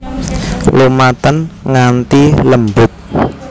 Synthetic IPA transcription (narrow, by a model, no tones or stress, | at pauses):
lumat̪ənŋant̪iləmbʊt̪̚